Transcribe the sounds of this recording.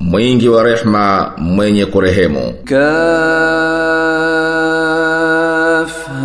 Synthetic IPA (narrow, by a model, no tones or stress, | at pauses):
mwiŋɡiwaɾɛħmamwɛɲɛkuɾɛɦɛmṵka | f